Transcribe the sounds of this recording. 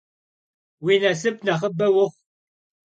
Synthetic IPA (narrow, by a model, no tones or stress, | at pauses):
winɐsɨp̚nɐχəbɐwʊχʷ